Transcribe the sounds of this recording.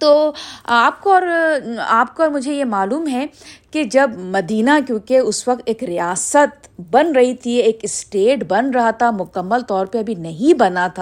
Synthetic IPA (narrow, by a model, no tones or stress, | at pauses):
t̪oːaːp̚koɔːɾaːp̚koɔːɾmʊd͡ʒʱejemaːluːmɦɛkid͡ʒɐbmɐd̪iːnakjõːkeʊswɐk̚t̪eːkɾijaːsət̪̚bɐnɾɐɦit̪ʰieːkɪsʈeːʈbɐnɾɐɦat̪ʰamʊkəmːəlt̪ɔːɾpeɐbʱinɐɦĩbɐnat̪ʰa